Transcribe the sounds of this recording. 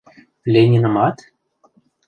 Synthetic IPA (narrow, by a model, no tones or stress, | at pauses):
lʲenʲinɤ̆mɑt̪